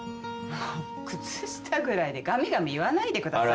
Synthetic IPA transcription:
a | kɯ̟t͡sɨɕi̥t̪ʰaɡɯ̟ɾaid̪e̞ɡamʲiɡamiβanaid̪ekɯ̟t̪a

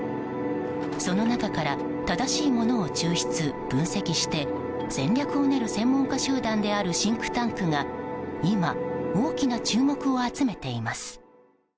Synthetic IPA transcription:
so̞no̞nakakaɾa | t̪ad̪aɕiːmo̞no̞ːt͡ɕɨːɕi̥t͡sɨb̥ɯ̟̃ɰ̃se̞kʲiɕi̥t̪e̞ | z̥ẽ̞ɲɾʲjakɯ̟o̞ne̞ɾɯ̟sẽ̞mːõ̞ŋkaɕɨːd̪ãnd̪e̞aɾɯ̟ɕĩŋkɯ̟̥t̪ãŋkɯ̟ŋaimao̞ːkʲinat͡ɕɨːmo̞kɯ̟o̞at͡sɨme̞t̪e̞imasɨ̥

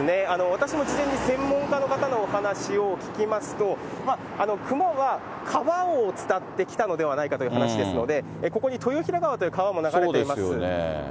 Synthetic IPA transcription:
ne̞ano̞βat̪aɕimo̞d͡ʑizẽ̞ɲ̟ːisẽ̞mːõ̞ŋkano̞kat̪ano̞ːhanaɕio̞kʲi̥kʲimasɨ̥t̪o̞ma | ano̞kʰɯ̟maβa | kʰaβaot͡sɨ̥t̪at̪ːe̞kʲi̥t̪ano̞d̪e̞βanaikat̪o̞jɯ̟hanaɕid̪e̞sɨno̞d̪e̞ | eko̞ko̞ɲ̟it̪ʰo̞joçiɾaɡaβat̪o̞jɯ̟kaβamo̞naɡaɾoedeeimasɨn̰

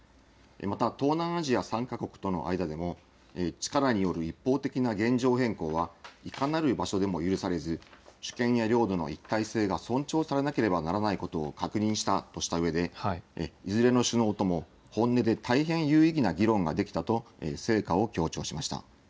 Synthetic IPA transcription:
ḛmat̪at̪o̞ːnãɰ̃aʑiasãŋkako̞kɯ̥t̪o̞no̞̰ʔa̰id̪ad̪e̞mo̞ | et͡ɕi̥kaɾaɲ̟ijo̞ɾɯ̟ipːo̞ːt̪e̞kʲinaɡẽ̞ɲd͡ʑo̞ːɦẽ̞ŋko̞ːβaikanaɾɯ̟baɕo̞d̪e̞mo̞jɯ̟ɾɯ̟saɾe̞zɨɕɨ̥kẽ̞ɰ̃jaɾʲo̞ːd̪o̞no̞̰it̪ːaise̞ːɡasõ̞ɲt͡ɕo̞ːsaɾe̞nake̞ɾe̞banaɾanaiko̞t̪o̞̰ːkakɯ̟ɲ̟ĩɰ̃ɕi̥t̪at̪o̞ɕi̥t̪aɯ̟e̞d̪e̞̰ | izɨɾe̞no̞ɕɨno̞ːt̪o̞mo̞ | hõ̞nːe̞d̪e̞t̪aiɦẽ̞ɰ̃jɯ̟ːiɡʲinaɡʲiɾõ̞ŋɡa̰d̪e̞kʲi̥t̪at̪o̞ḛse̞ːkao̞kʲo̞ːt͡ɕo̞ːɕimaɕi̥t̪a̰

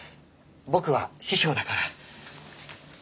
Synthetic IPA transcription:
bo̞kɯ̟βaɕiçʲoːd̪akaɾa

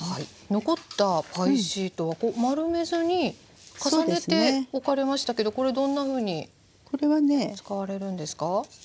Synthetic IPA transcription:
hai | no̞ko̞t̪ːapʰaiɕiːt̪o̞βako̞ːmaɾɯ̟me̞zɨɲ̟i | kasane̞e̞o̞kaɾe̞maɕi̥t̪ake̞d̪o̞ko̞ɾe̞d̪õ̞nːaɸɯ̟ːɲ̟i | ko̞ɾe̞βanet͡sɨ̥kaβ̞aɾe̞ɾɯ̟̃nd̪e̞sɨ̥ka

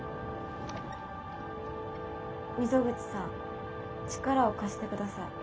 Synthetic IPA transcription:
mʲizo̞ɡɯ̟t͡sɨ̥sãŋ | t͡ɕi̥kaɾao̞kaɕi̥t̪e̞kɯ̟d̪asai

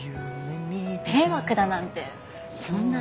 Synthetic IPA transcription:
jɯmit̪ewakɯ̟d̪anãnt̪e | sõnːa

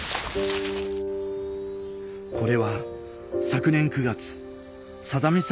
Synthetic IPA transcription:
kʰo̞ɾe̞βa | sakɯ̟nẽ̞ŋkɯ̟ɡat͡sɨ̥ | sad̪amʲis

